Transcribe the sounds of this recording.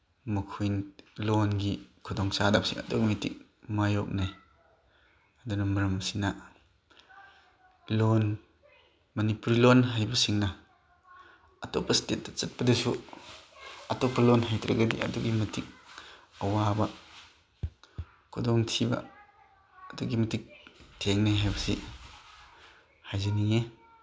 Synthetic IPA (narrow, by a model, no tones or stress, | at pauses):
mɐkʰujnlɔnɡikʰɔdɔŋsadap̚siŋa̰tɔk̚mitḭk̚ | majɔk̚naj | adunamɐɾɐmsina | lɔn | mɐnipuɾilɔnɦajbɐsiŋna | ɐtɔ̰pʰɐstet̚ːḁt͡sɐt̚pɐdesu | ɐtɔpʰːɐlɔnɦajtɾeɡɐdḭʔɐ̰duɡimɐtʰik̚ɐwabɐ | kʰudɔŋtʰiba̰ | ɐduɡimɐtik̚tʰeŋnajɦajbɐsi | hajziniŋe